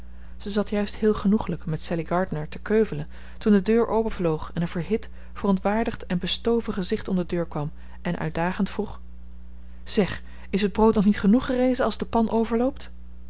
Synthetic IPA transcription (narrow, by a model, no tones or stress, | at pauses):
z̥əzɑtjœɥsthɪːlˠχənuχələkmɛtsɛliɡɑɹdnəɹtəkøɥvələn | tundədøːɹʔowpəvlowχɛnənvəɹɦɪt | fərɔntʋaːɹdəχtɛnbəstowvəχəzɪχtɔmdədøːɹkʋɑm | ʔɛnʔœ̰ɥt̚daːχəntfruχ | z̥ɛχ | ɪsɦəd̚browtnɔχnitχənuχərejzənɑlˠzdəpɑnʔowvəɹlowp̚t